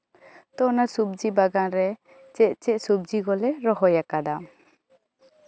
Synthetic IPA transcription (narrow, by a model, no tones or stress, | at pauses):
t̪ɔnasub̚d͡ʒibaɡanɾɛ | t͡ʃɛʔ̚t͡ʃɛʔsub̚d͡ʒiɡɔlɛɾɔɦɔjakad̪a